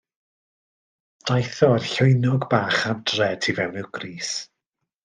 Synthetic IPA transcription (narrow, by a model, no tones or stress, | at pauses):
d̥ajθɔrɬʊɨnɔɡbaːχamdrɛtʰivɛwnɨɡriːs